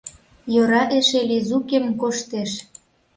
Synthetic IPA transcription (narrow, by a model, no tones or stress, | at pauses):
joɾɑʔeʃelizukemkoʃt̪eʃ